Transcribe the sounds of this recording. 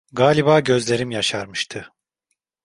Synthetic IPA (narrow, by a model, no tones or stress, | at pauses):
ɡaːlʲibaːɟø̞zlʲe̞ɾimjaʃaɾmɯʃt̪ʰɯ